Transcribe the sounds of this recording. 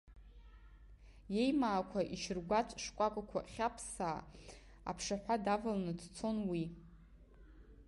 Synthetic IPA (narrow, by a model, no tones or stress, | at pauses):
je̞jmaːkʷʰaʔiʃɪrɡʷat͡sʷʼʂkʷʼakʷʼakʷʰaχʲapʰsaː | a̰pʰʂaħᶣʷadavalnɨdʰt͡sʰo̞nwi